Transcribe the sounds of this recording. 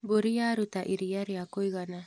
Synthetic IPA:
boɾiaɾut̪aʔiɾiaɾeakojɡana

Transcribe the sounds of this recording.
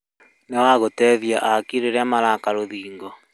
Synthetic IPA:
newaɣotɛːðjaʔakiɾeɾeamaɾakaɾoðiːŋɡɔ

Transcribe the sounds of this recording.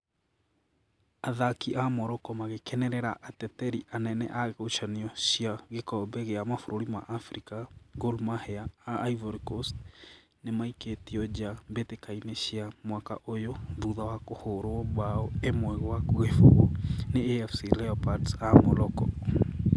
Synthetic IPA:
aðakiʔamɔɾɔkɔmaɣekɛnɛɾɛɾaʔatɛtɛɾiʔanɛnɛ̰ʔaɣoot͡ʃaniɔɕiaɣekɔbɛɣeamafoɾoɾima̰ʔafɾikaɣolmahɛaaʔːjvɔɾkost | nemaiketiɔd͡ʒambetekaineɕiamwaka̰ʔojoðuðawakohoɾoɔβaɔemwɛɣwakoɣefo̰ɣoneeɛfsilɛɔpatsamɔɾɔkɔ̰

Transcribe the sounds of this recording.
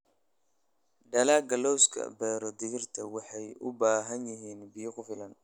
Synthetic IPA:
ɖɐlaːɡɐlɔwskʰɐ̰bɛːɾɔd̪ɪɣɪrt̪ʰɐwɑħɑjʊbaːɦɐnjɪɦiːnbiːqʊfɪlɐn

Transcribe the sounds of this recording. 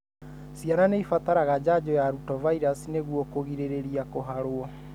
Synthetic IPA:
siananeifat̪aɾaɣad͡ʑad͡ʑɔjaɾutɔvaiɾasineɣwɔkoɣiɾeɾeɾiakoɦaɾoɔ

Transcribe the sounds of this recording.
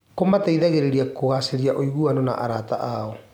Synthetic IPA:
komataiðaɣeɾeɾiakoɣaseɾiaʔoiɣuanɔna̰ʔaɾata̰ʔaɔ

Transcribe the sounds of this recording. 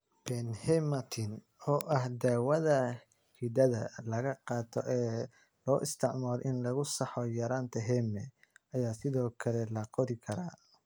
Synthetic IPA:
b̥ɛnhɛmɐt̪ʰɪn | ɔːʔɐhd̪aːwɐðɐ | hid̪ɐðɐ̰lɐɣɐqɑːt̪ʰɔʔɛː | lɔːʔɪst̪ʰɪʕmaːlʔɪnlɐɣʊsɑħɔjɐɾaːnt̪ʰɐɦɛmɛɐjaːsɪðɔːkʰɐlɛlɐqɔɾɪkʰɐɾaː

